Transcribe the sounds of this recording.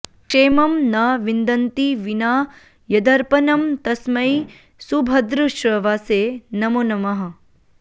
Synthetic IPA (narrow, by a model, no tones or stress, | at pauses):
keːmɐmnaːʋind̪ɐnt̪iʋinaː | jɐd̪ɐɾpɐnɐmt̪ɐsmɐj | subʱɐd̪ɾuʃɾɐʋaːseːnɐmoːnɐmɐɦɐ̆